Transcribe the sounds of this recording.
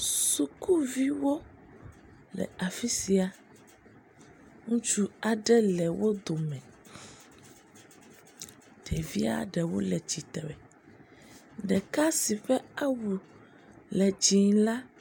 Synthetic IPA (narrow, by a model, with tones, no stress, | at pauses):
su˨ku˦vi˦wo˦ | lɛ̰˨a˨fi˦si˨a˨ | ŋũ˦t͡ʃu˦a˨ɖɛ˦lɛ˨wo˦d̪o˨mɛ̃˨ | ɖ̥ɛ˨vi˦a̰˨ɖɛ˨wo̰˦lɛ˨t͡ʃi˨t̪e˨wɛ˨ | ɖɛ˨ka˦si˨ɸɛ˦a˦wu˨ | lɛ˨d͡ʒi˨ŋla˦